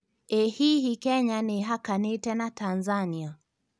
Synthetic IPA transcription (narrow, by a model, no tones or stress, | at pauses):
ɛhihikɛɲaniɦakanitɛnatanzania